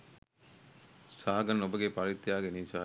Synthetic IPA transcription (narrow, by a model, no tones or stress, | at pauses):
saːɡɐnobəɡepɐɾit̪ːjaːɡenit͡ʃaː